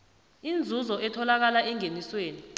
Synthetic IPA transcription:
ind͡zʱuzɔɛtʰɔlak̬alaɛŋenisweːni

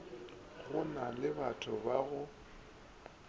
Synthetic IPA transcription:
ɣʊnalɪbatʰʊbaɣʊ

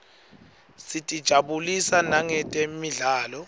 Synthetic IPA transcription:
sitʼid̥ʒ̥ʱaɓulisanaŋɛtʼemiɮaːlɔ

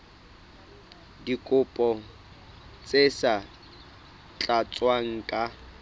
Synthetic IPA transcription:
dikʼʊpʼɔ | t͡sʼesa | t͡ɬʼat͡sʼwaŋ̩kʼa

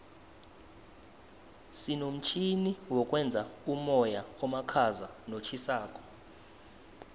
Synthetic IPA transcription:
sinom̩t͡ʃʰiniwɔkʼwɛnd͡zʱaumɔjaɔmakʰazanot͡ʃʰisaːkʼɔ̥

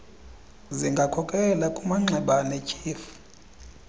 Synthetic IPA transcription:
ziŋɡʱakʰɔkʼɛlakʼumaŋ͡ǁʱɛɓanɛt͡ʃʰʼiːfu̥

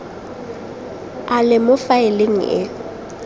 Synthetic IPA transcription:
alɪmʊfaɪleŋ̩ʔɪ̰

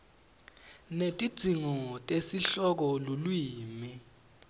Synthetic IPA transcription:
netʼid̥ʱiŋɔtʼesiɬɔk̬ɔlulwiːmi

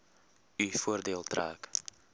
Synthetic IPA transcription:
yfuərdeːlˠtra̰ːk

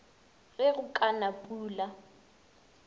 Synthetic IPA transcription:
ɣɛɣʊkʼanapʼuːla

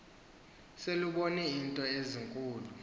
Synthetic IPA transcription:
seluɓonɛintʼɔeziŋkʼuːlu

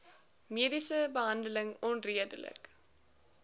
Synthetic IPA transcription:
miədisəbəɦɐndələŋɔnriədə̰lə̰k

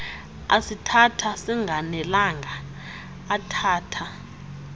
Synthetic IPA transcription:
asitʰatʰasiŋɡʱanɛlaŋɡʱaː | tʰaːtʰa

